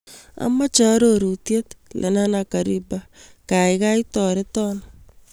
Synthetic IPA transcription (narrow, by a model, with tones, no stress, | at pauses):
a̰ma˦t͡ʃa˦ɾoɾu˨tje˦t̪lʔḛ˨na˦naka˨ɾiba˦ka˨iɣa˦itɔ˨ɾe˦tɔna